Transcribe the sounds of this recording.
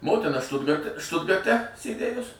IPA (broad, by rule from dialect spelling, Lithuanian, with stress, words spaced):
ˈmoːtʲɪnɐ ˈʃtʊdɡɐrʲtʲɛ ˈʃtʊdɡɐrʲtʲɛ sʲeːˈdʲeːjʊs